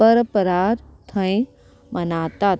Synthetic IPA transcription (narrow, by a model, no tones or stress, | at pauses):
əɾpəɾaːɾt̪ʰə̃ĩ | mɐnaːt̪a